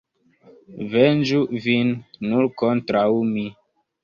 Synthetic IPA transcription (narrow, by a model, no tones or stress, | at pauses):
vend͡ʒuvinːuɾkontɾawmi